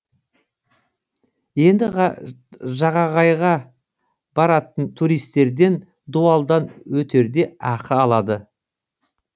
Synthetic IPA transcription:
je̞nd̪ɪ | ʒɑʁɑʁɑjʁɑ | b̥ɑɾɑt̪ənt̪ʰuɾijst̪e̞ɾd̪e̞n | d̪uɑlˠd̪ɑnwɵt̪e̞ɾd̪e̞ɑqəɑlˠɑd̪ə

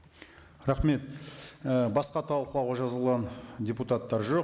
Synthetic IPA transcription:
ɾɑχme̞t̪əbɑsqɑt̪ʰɑlˠquɑwʁɑʒɑzəlˠʁɑndʲeput̪at̪ːɑɾʒo̞q

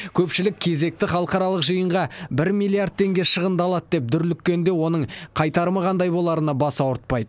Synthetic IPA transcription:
kʲʰɵpʃɪlɪk̚ʲʰe̞ze̞k̚t̪ɪχɑlˠəqɑɾɑlˠəqʒəjəɴʁɑbɪɾmʲijlʲiaɾd̪̚t̪ʰːe̞ŋɡʲe̞ʃəʁənd̪əɑlˠɑt̪d̪e̞p̚d̪ʏɾlʏkʲːe̞nd̪e̞wo̞nəɴqʰɑjt̪ɑɾəməʁʰɑnd̪ɑjbo̞lˠɑɾənɑbɑsɑwʊɾt̪̚pɑjd̪ə

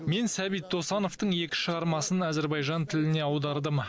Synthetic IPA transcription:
me̞nsæbijt̪̚ʰːo̞sɑno̞ft̪əɴje̞kʲɪ̥ʃəʁɑɾmɑsənæzeɾbɑjʒɑnt̪ʰɪlɪne̞ɑwd̪ɑɾd̪əm

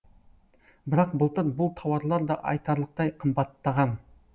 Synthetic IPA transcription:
bɪɾɑq̚bəlˠt̪əɾbʊlˠt̪ʰɑwɑɾlˠɑɾd̪ɑʔɑ̰jt̪ɑɾlˠəq̚t̪ɑjqʰəmbɑt̪ːɑʁɑn

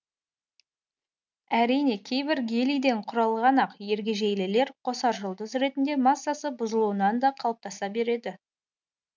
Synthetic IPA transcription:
æɾijne̞kʲʰe̞jbɪɾɡʲe̞lijd̪e̞ɴqʰʊɾɑlˠʁɑnɑqje̞ɾɡʲeʒejlɪle̞ɾqʰo̞sɑɾʒʊlˠd̪əzɾe̞t̪ɪnd̪e̞mɑsːasəbʊzəlˠuənɑnd̪ɑqʰɑlˠəp̚t̪ɑsɑbe̞ɾe̞d̪ɪ

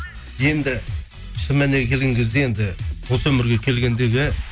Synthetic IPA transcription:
je̞nd̪ɪ | ʃɪmæneɡʲkʲʰelɡʲɪŋɡʲɪzd̪eje̞nd̪ɪwo̞səɵmɪɾɡʲe̞kʲʰe̞lɡʲe̞nd̪e̞ɡʲɪ

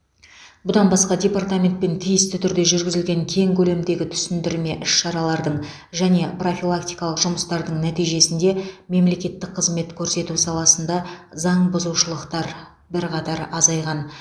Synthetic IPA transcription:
bʊd̪ɑnbɑsqɑd̪ʲe̞pɑrt̪amʲe̞nt̪̚pe̞nt̪ʰijɪst̪ɪt̪ʰʏɾd̪e̞ʒʏɾɡʲɪzɪlɡʲe̞ŋkʲʰe̞ŋkʲʰɵle̞md̪e̞ɡʲɪt̪ʰʏ̥sɪnd̪ɪɾme̞ʔʏʃʃɑɾɑlˠɑɾd̪əɴ | ʒæne̞pro̞fʲilˠak̚t̪ijkɑlˠəqʒ̥ʊməst̪ɑɾd̪əɴnæt̪ijʒe̞sɪnd̪e̞me̞mle̞kʲe̞t̪ːɪk̚qʰəzme̞t̪kʲʰɵɾse̞t̪usɑlˠɑsənd̪ɑzɑɴbʊzuwʃəlˠəqt̪ɑɾ | bɪɾqʰɑt̪ɑɾɑzɑjʁɑn

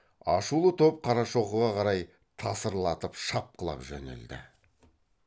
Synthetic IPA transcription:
ɑʃulˠət̪ʰop̚qʰɑɾɑʃo̞qəʁɑqʰɑɾɑj | t̪ʰɑsəɾlˠɑt̪əpʃɑp̚qʰəlˠɑ̰pʒɵ̰nḛld̪ɪ̰

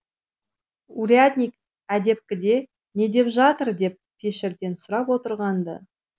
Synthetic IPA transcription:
uɾiat̪nʲijk | æd̪e̞p̚kʲɪd̪e̞ | ne̞d̪e̞pʒɑt̪əɾd̪e̞p̚pʲʰeʃɪɾd̪e̞nsʊɾɑpwo̞t̪əɾʁɑnd̪ə̰

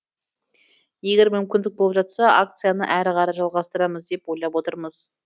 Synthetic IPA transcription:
je̞ɡʲe̞ɾmʏmkʲɪnd̪ɪk̚bo̞lˠpʒɑt̪sɑʔakt̪sɨjanəʔæɾɪqɑɾɑʒɑlˠʁɑst̪əɾɑməzd̪e̞pwo̞jlˠɑpwo̞t̪əɾməz̥

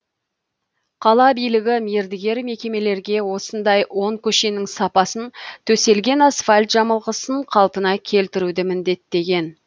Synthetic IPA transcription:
qʰɑlˠɑbijlɪɡʲɪmjeɾd̪ɪɡʲe̞ɾme̞kʲe̞me̞le̞ɾɡʲe̞wo̞sənd̪ɑjwo̞ɴkʲʰɵʃe̞nɪŋsɑpɑsənt̪ʰɵse̞lɡʲe̞nɑsfalʲt̪ʒ̥ɑməlˠʁəsəɴqʰɑlˠpənɑkʲʰe̞lt̪ɪɾud̪ɪmɪnd̪e̞t̪ːe̞ɡʲe̞n

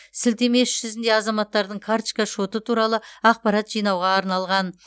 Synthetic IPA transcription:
sɪlt̪e̞me̞sʒʏzɪnd̪e̞ɑzɑmɑt̪ːɑɾd̪əɴkʰaɾt̪t͡ʃkaʃo̞t̪ət̪ʰuɾɑlˠəɑq̚pɑɾɑt̪ʒ̥ijnɑwʁɑːɾnɑlˠʁɑn

